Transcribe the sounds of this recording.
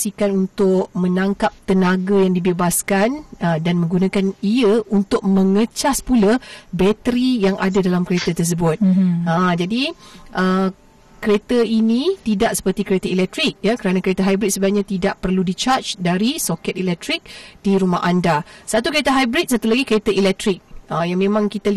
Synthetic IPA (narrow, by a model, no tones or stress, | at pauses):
sikanunt̪ʊk̚mə̃nãŋkap̚t̪ənaɡajaŋdibebaskanədanmə̃ŋɡunãkaniəunt̪ʊk̚mə̃ŋət͡ʃaspulabɛt̪əɾijaŋʔadadalamkɾet̪ət̪ərs̬əbʊt̪̚ãd͡ʒadiʔə | kəɾet̪əinĩt̪idaʔsə̥pərt̪ikəɾet̪əilɛk̚t̪ɾik̚jakəɾanakəɾet̪əɦajbɾit̪̚səbaaʔɲãt̪idaʔpərludit͡ʃart͡ʃdaɾisokɛt̪̚ilɛk̚t̪ɾik̚d̥iɾumahʔandasat̪ukəɾet̪əɦajbɾit̪̚sat̪ulaɡikəɾet̪əilɛk̚t̪ɾik̚əjaŋmẽmãŋkit̪al